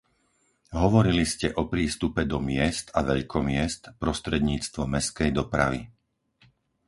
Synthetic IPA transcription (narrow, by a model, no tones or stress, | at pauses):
ɦɔʋɔɾiliscɛʔɔpɾiːst̪upɛd̪ɔmɪɛst̪aʋɛʎkʰɔmɪɛst̪pɾɔst̪ɾɛd̪ɲiːt͡st̪ʋɔmɛskɛjd̪ɔpɾa̰ʋḭ